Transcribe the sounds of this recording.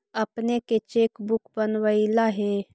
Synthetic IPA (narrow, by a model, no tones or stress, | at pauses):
ɐpneket͡ʃeːkbʊkbənʋəilaɦe